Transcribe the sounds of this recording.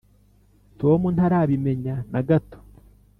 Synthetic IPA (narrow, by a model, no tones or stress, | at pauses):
to̞ːmun̥haɾaːβime̞ɲanaɡato̥